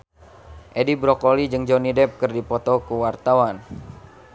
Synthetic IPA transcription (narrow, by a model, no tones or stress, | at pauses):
ʔedibɾɔkolid͡ʒɨŋd͡ʒonidɛp̚kɨrdipɔt̪ɔkuwart̪awan